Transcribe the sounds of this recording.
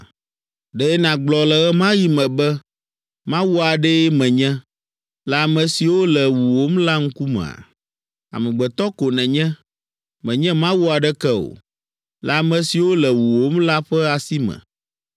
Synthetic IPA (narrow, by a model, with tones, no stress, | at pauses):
ɖɛ˦ɛ˦nã˨ɡ͡blɔ˨lɛ˨ɣɛ˦mã˦ji˦mɛ̃˨bɛ˦ | mã˦wu˦a˨ɖɛ˦jɛ˦mɛ̃˨ɲɛ̃˦ | la˨mɛ̃˨si˨wo˦lɛ˨wu˨wo˦m˦la˦ŋ̩˦ku˦mɛ̰̃˨a̰˨ | a̰˨mɛ̃˨ɡ͡bɛ˨t̪ɔ˦ko˨nɛ̃˨ɲɛ̃˦ | mɛ̃˨ɲɛ̃˦mã˦wu˦a˨ɖɛ˦kɛ˦o̰˨ | la˨mɛ̃˨si˨wo˦lɛ˨wu˨wo˦m˦la˦ɸɛ˦a˨si˦mɛ̰̃˨